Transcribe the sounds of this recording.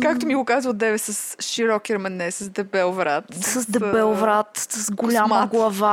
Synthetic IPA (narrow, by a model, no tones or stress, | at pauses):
kakt̪omiɡokazvəlˠd̪ɛvɛsɐsʃiɾɔkɛɾmɛnɛsɐsd̪ɛbɛlˠvɾat̪sɐsd̪ɛbɛlˠvɾat̪sɐsɡolʲaməɡlˠɐva